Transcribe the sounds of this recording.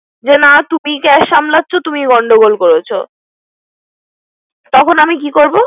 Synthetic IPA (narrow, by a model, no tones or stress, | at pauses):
d͡ʑenat̪umikɛʃamlatːɕʰot̪umiɡɔɳɖoɡolkoɾet͡ɕʰo̰ | t̪ɔkʰonamikikoɾbo